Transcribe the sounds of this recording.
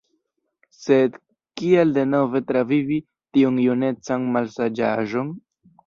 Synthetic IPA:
se̞d | kielde̞no̞ve̞tɾavivi | tiunjune̞t͡sanmalsad͡ʒaʒo̞n

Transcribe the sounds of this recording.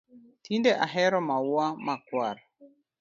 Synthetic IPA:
tʰindeʔaɦɛɾɔmawamakwaɾ

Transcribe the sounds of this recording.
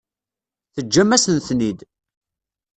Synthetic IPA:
θəd͡ʒːæmːæsənθnid̪

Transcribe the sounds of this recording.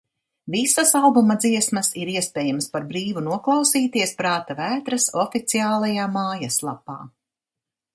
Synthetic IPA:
visɐsalˠbumɐd̪ziɛsmɐsiɾiɛspʲɛːjamspaɾbɾiːvunuɔklˠɑwsiːt̪iɛspɾaːt̪avæːt̪ɾɐsɔfit̪siaːlˠajaːmaːjaslˠapa̰ː

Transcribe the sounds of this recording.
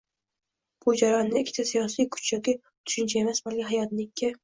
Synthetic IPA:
b̥ʊd͡ʒaɾɒnːɪɪkʰʲːɪ̥t̪ʰasijɒsijkʰʊ̥t͡ʃjɒkʲi | t̪ʰʊ̥ʃʊnt͡ʃʰae̞masbalkʲɪɦajɒt̪nɪkʲʰːɪ

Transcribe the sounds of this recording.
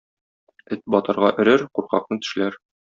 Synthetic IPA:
ɘt̪̚bɒt̪ɤ̆ɾʁɑʔɘ̆ɾɘɾquɾqɑ̰q̚nɤt̪ɵ̥̆ʃlæɾ

